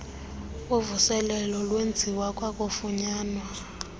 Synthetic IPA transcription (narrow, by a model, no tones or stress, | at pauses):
uvusɛlɛlɔlwend͡zʱiwakʼwakʼofuɲaːnwa